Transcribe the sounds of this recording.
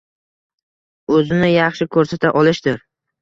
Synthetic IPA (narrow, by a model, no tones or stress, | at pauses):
ɵzɪnɪjɑχʃɪkʰɵɾsat̪ʰaʔɒlˠɪʃd̪ɪɾ